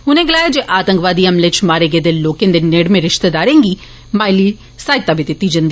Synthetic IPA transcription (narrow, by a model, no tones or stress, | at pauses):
ʊnẽːɡəlaːjaːd͡ʒeːʔaːt̪ə̃ŋkʋaːd̪iːəmleːt͡ʃʰmaːɾeːɡeːd̪eloːkẽnd̪eːneːɽmẽɾɪʃt̪ed̪aːɾẽːŋɡiː | maːjliː | saːɪt̪abit̪ɪt̪ːid͡ʒɐnd̪i